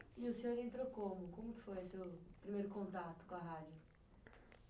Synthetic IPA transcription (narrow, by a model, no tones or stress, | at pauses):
ɪʊsẽɲoɾẽnt̪ɾokõmʊkõmʊkɪ̥fojʊsewpɾimejɾʊkõnt̪at̪ʊ̥kõɐɦad͡ʒjʊ